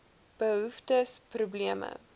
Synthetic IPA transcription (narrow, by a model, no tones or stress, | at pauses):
b̥əɦuftəsprubliəmə̰